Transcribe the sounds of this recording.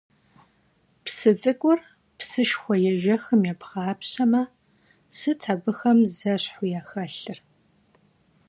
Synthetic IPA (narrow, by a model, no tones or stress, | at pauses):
psɨt͡sʼɨkʷʼʊr | psɨʃxʷɔjɛʒɐxɨmjɛpχaːpɕɐmɐ | sɨtʰabɨxɐmzɐɕħʊjaːxɐɬɨr